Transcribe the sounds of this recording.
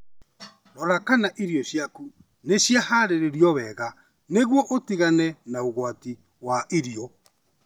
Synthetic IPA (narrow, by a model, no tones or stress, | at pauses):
ɾɔɾakanaʔiɾjɔɕjaku | neɕjahaɾeɾeɾjɔβɛɣa | neɣwɔʔotiɣanɛnaoɣwati | waʔiɾiɔ